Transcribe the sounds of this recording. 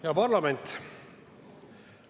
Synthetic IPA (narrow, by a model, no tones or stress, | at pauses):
jɑpɑrlɑme̞nʲt̪